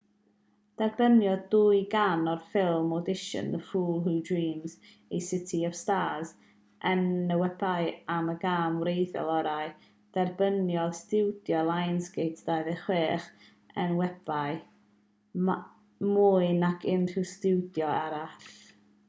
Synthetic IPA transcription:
d̥ɛrbənjɔduɨɡanɔrfɪlˠmɔdɪʃə̰nðəfuːlˠɦudɹiːmz | ejsɪtʰiɔv̥staːz | ʔənəwɛbajaməɡaːmwɾejθjɔ̰lˠɔɾaɨ | d̥ɛrbənjɔdstɪwdjɔlˠajnsɡejtʰd̥ajðəχweːχ | ənwɛb̥aɨ | muɨnakʰɪnustɪwdjɔaɾaɬ

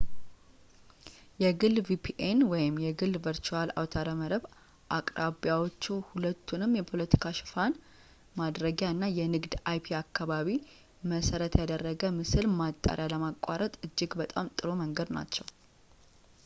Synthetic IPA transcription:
jɛɡɨlvipʰiʔenwɔjɪmjɛɡɨlvəɾt͡ʃuala̰wt̪ʰaɾəməɾəβ | ʔakʼɾaβjawot͡ʃːuhulət̪ʰːunɨmjɛpʰo̞lət̪ʰi̥kʰaʃɪ̥fan | mad̪ɾəɡjaɨnːajɛnɨɡd̪ajpʰiakːaβaβi | məsəɾət̪jad̪ərːəɡəmɨsɨlmat̪ʼːa̰ɾjaləmakʼːaɾət̪ʼɨd͡ʒːɪɡbət̪ʼamt̪ʼɨɾoməŋɡəd̪na̰t͡ʃːɛw

